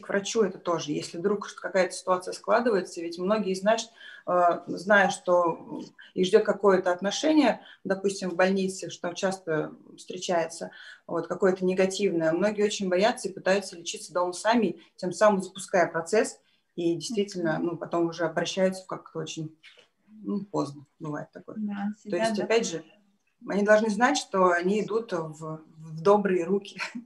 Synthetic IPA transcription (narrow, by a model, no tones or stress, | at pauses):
kvɾʔɐt͡ɕuɛt̪ət̪o̞ʐɨjḛsʲlʲɪd̪ɾukʂt̪kɐkajət̪ə̥sʲɪ̥t̪ʊat̪sɨjəsklˠad̪ɨvəjɪt̪səvʲɪtʲmno̞ɡʲɪjəznat͡ɕɪ̥t̪əznajʊʂt̪o̞ | iʐdʲo̞t̪̚kɐko̞jət̪əɐt̪nɐʂɛnʲɪjəd̪ɐpusʲtʲɪmvbɐlʲnʲit̪sɨʂt̪ot͡ɕast̪əfst̪ɾʲɪt͡ɕæjɪt̪səvo̞t̪kɐko̞jət̪ənʲɪɡɐtʲivnəjəmno̞ɡʲjot͡ɕɪnʲbɐjat̪səipɨt̪ajʊt̪səlʲɪt͡ɕit̪səd̪oməsamʲɪtʲe̞msamɨmzəpʊskajəpɾɐt̪sɛs | idʲɪjst̪vʲitʲɪlʲnənupɐt̪o̞mʊʐɛɐbɾɐɕːæjʊt̪sə̥fkakt̪əo̞t͡ɕɪnʲ | nupo̞znəbɨva̰jɪt̪ːɐko̞̰jt̪o̞jɪsʲtʲɐpʲædʲʐɨ | ɐnʲid̪ɐlˠʐnɨznatʲʂt̪o̞ɐnʲiɪd̪ut̪vvd̪o̞bɾɨjəɾukʲɪ